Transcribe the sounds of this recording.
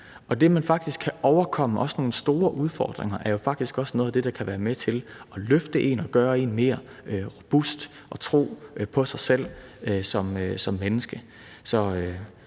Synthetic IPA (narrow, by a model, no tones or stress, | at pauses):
ɒ̽d̥e̝mænfɑ̈ɡ̥̚d̥isɡ̥̚kʰæʔɒʊɐkʰɒ̽m̰əʔɒ̽sno̝ːl̩sd̥o̝ːɐʔuð̞ˠfɒ̰ːd̥ʁeŋɐʔæɐjo̝fɑ̈ɡ̥̚d̥isɡ̥ɒ̽sno̽ːðˠɐd̥e̝ɾ̥ɑ̈kʰæʋæːɐmet͡sʰe̝lɒ̽løfd̥əʔe̝̰nɒ̽ɡ̥ɶːɐe̝nme̝ːɐ | ʁob̥usd̥ | ʔɒ̽t͡sʰʁo̝̰ːpʰɒ̽sɑ̈ɪsel̰øsɒ̽møsɒ̽mːenəsɡ̥ə | sɒ̽ø